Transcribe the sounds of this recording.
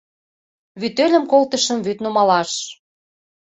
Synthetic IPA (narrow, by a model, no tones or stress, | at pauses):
βyt̪ølʲə̆mkolt̪əʃə̆mβyt̪numɑlɑʃ